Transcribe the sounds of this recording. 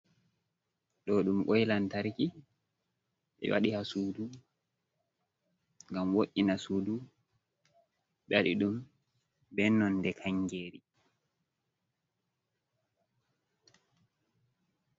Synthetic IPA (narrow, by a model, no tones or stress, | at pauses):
ɗɔɗumkɔjlantaɾki | ɓɛ̰wa̰ɗihasuːdu | ŋɡamwoʔːinasuːdu | ɓaɗiɗum | bɛnːɔndɛkʰaŋɡeːɾi